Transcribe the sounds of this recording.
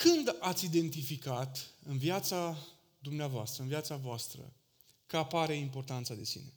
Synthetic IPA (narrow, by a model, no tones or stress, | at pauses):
kɨnd̪at̪sʲid̪e̞nt̪ifikat̪ɨnvjat̪sa | d̪umneavoa̰st̪ɾəɨnviat̪savoast̪ɾə̰ | kəapaɾe̞impo̞rt̪ant̪sad̪e̞sḭne̞̰